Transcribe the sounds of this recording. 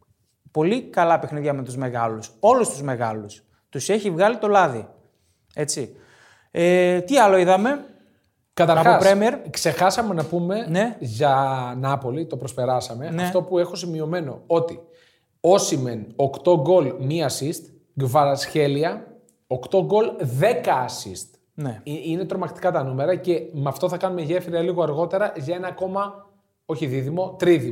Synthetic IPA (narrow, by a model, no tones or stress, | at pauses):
po̞likɐlɐpexniðʝɐmet̪uzme̞ɣɐluso̞lust̪uzme̞ɣɐlus | t̪use̞çivɣɐlit̪o̞lɐði | e̞t͡si | et̪iɐlo̞iðɐme̞ | kɐt̪ɐɾɐoɐspɾemieɾkse̞xɐsɐme̞nɐpume̞ne̞ʝɐnɐpo̞lit̪o̞pɾospe̞ɾɐsɐme̞ʔnɐeft̪o̞pue̞xo̞simio̞me̞no̞̰o̞t̪i | o̞simeno̞kt̪o̞ɡo̞lmiɐsist̪ | ɡvɐɾɐsçe̞liɐ | okt̪o̞ɡo̞lðe̞kɐsḭst̪ | neine̞t̪ɾo̞mɐkt̪i̥kɐt̪ɐnume̞ɾɐce̞mɐft̪o̞θɐkɐnumeʝe̞fɾiɐliɣoɐɾɣo̞t̪e̞ɾɐʝɐe̞nɐko̞mɐ | o̞çiðiðimo̞t̪ɾiði